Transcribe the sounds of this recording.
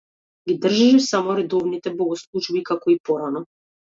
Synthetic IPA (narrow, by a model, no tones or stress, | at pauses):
ɡid̪r̩ʒaʃɛsamɔɾɛd̪ɔvnit̪ɛbɔɡɔslˠut͡ʃbikakɔipɔɾanɔ